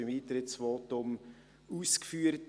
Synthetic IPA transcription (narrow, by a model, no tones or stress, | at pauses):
ɪmiːt̪ɾɪtsʋoːtʊm | uːskfyːəɾt